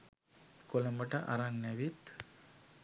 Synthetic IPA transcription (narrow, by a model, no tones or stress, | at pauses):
koləmbəʈəʔa̰ɾaŋnɛʋit̪